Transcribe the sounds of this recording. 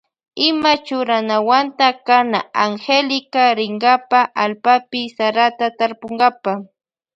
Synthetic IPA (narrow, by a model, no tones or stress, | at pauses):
ɪmat͡ʃʊɾanawant̪akanaaŋxelɪkaɾɪŋɢapaʔalpapɪsaɾat̪at̪aɾpoŋɢapa